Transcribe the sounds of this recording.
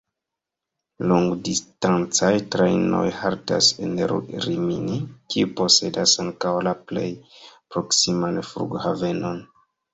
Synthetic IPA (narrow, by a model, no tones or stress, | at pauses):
luŋɡdistant͡sajtɾejno̞̰jhaɾta̰sḛnɾɾimḭnikiupo̞se̞dasaŋkawlaple̞̰jpɾo̞ksimanfɾṵɡhave̞no̞n